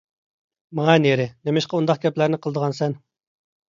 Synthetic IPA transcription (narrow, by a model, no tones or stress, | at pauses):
mɑŋɑneɾɪnemɪʃqɑund̪ɑq̚ɡʲɛplæɾnɪqʰəlˠəd̪əʁɑnsɛn